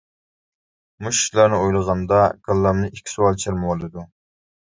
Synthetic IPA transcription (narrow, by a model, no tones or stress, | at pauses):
muʃi̥ʃlˠɑɾnɨojlˠəʁɑnd̪ɑɡɑlˠːɑmnɨʔikʲʰi̥suwɑlˠt͡ʃʰeɾmɨwolˠɨd̪u